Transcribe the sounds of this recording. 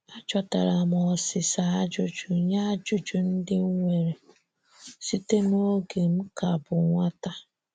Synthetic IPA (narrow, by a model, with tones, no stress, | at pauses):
a˦d͡ʒɔ˨ta˨ɾa˨mɔ˨sɪ˨sa˨a˦d͡ʒʊ˦d͡ʒʊ˨ɲa˦d͡ʒʊ˦d͡ʒu˨n̩˦dɪ˦ŋ̩˦ŋʷe˨ɾe˨ | si˦te˦m˦o˦ɡe˨m̩˦ka˨bʊ˨ŋʷa˦ta˦